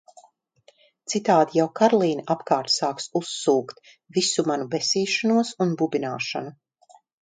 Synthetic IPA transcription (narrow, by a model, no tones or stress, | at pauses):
t̪sit̪aːd̪ijawkaɾlˠiːnaʔapkaːɾt̪saːksusːuːkt̪ | visumanubesiːʃanuɔsunbubinaːʃanu